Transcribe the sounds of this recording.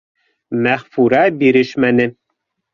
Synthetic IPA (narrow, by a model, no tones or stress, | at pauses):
mæχfuɾɑbiɾɘʃmænɘ